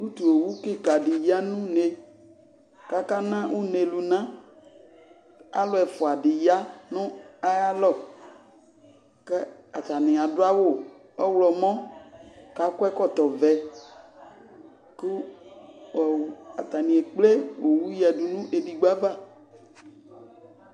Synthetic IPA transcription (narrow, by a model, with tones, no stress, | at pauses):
u˦t̪u˨o˨wu˦kɪ˦ka˨dɪ˨ja˦nũ˦ne˨ | ka˦ka˦nã˦wʔu˦ne˨lu˨nã˦ | a̰˦lʊ˦ɛ˨fʊ˨a˨dɪ˨ja˦nʊ̃˦a˦ja˦lɔ˦ | kɛ˦a˨t̪a˨nɪ̃˨a˨dʊ˦a˦wo˦˨ | ɔ˦wlɔ˨mɔ̃˦ | ka˨kɛ˦kɔ˦˨t̪ɔ˨vɛ˨ | kʊ˦ | ɔ˨a˨t̪a˨nĩ˨e˨k͡ple˦wo˨wu˦jɛ˨du˨nũ˦ʔe˨di˨ɡ͡ba˦va˦˨